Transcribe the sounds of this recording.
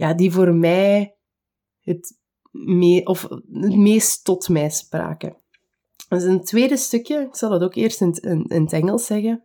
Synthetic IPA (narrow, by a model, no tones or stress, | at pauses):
jaːdivoːrmɛj | ɦət | meʔɔfətmeːstɔtmɛːspra̰ːkə̰ | səntweːdəstɵkjəɪksɑlˠdɑtoːkeːrstɪntɪnɪ̰nətɛŋəlˠsɛɣə